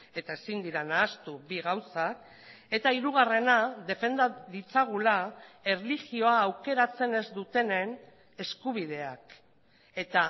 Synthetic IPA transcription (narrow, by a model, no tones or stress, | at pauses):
e̞t̪ae̞sind̪iɾanaːst̪ubiɣawsak | e̞t̪aiɾuɣare̞naðe̞fe̞nd̪aðit͡saɣ̞ulae̞rliɣio̞aːwke̞ɾat͡se̞ne̞zd̪ut̪e̞ne̞n | e̞skuβ̞ið̞e̞ak | e̞t̪a